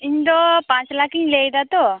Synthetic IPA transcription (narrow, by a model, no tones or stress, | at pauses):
ind̪opãːt͡ʃlakiŋlejd̪at̪o